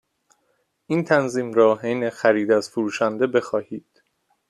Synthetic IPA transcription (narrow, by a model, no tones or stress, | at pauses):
ʔiːnt̪ʰænziːmɾɒːɦejnexæɾiːd̪æzfoɾuːʃænd̪e̞be̞xɒːhiːd̪̥